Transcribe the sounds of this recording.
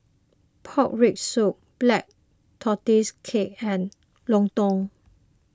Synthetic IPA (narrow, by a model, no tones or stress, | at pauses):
pʰɔk̚ɹik̚suk̚b̥lɛk̚ | t̪ʰɔtiskʰek̚ɛ̃n | lɔ̃ŋt̪ɔ̃ŋ